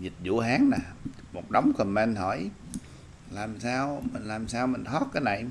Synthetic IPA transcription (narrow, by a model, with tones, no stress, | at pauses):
zi˨˩t̚zṵ˧˥əɦaː˨˦ŋnaː˨˩ | mo˨˩t̚ɗə˨˦wŋ͡mkɔ˨˩mmɛ˧nhɔ˧˩˦j | laː˨˩msaː˧wmi˨˩ŋ̟laː˨˩msaː˧wmï˨˩ŋ̟t̪ʰɔ˦˥t̚kaː˨˦jna̰˧˨˩j